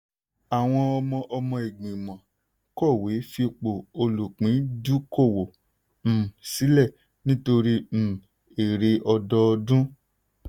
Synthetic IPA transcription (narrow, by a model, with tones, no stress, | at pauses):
a˨w̃ɔ̃˧ɔ˧mɔ̃˧ʔɔ˧mɔ̃˧e˨ɡ͡bĩ˨mã˨ | kɔ˦˨we˨˦fi˧k͡po˨o˧lu˨k͡pĩ˨˦du˦ko˦˨wo˨ | m̩˨si˨˦lɛ˦˨ | nĩ˦to˧ɾi˧m̩˨ | e˨ɾe˧ʔɔ˧dɔ˧dũ˦